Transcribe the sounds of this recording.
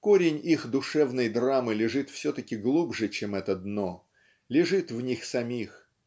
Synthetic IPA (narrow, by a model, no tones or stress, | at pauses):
ko̞ɾʲɪnʲixd̪ʊʂɛvnəjd̪ramɨlʲɪʐɨt̪fsʲot̪əkʲɪɡlˠubʐɨt͡ɕemɛt̪əd̪no̞ | lʲɪʐɨt̪vnʲixsɐmʲix